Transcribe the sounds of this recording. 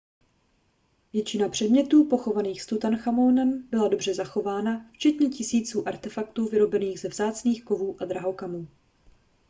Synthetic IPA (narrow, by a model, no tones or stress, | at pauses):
vjɛt͡ʃɪnapr̝̥ɛdmɲɛt̪uːpo̞xo̞vaniːxst̪ut̪anxamo̞ːnɛmbɪlado̞br̝ɛzaxo̞vaːnaft͡ʃɛt̪ɲɛcɪsiːt͡suːʔaɾt̪ɛfakt̪uːvɪɾo̞bɛniːɣzɛvzaːt͡sniːxko̞vuːʔad̪ɾaɦo̞kamuː